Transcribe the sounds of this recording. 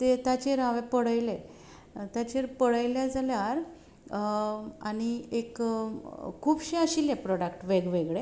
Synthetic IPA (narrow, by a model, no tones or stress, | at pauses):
t̪et̪at͡ɕeɾaʋepəɽəjle | t̪jat͡ɕeɾpəɽəjljad͡zaljaɾ | aɽ̃iek | kʰːuːbɕiəɕiljepɾɔɽakʈʋeɡʋeɡɭe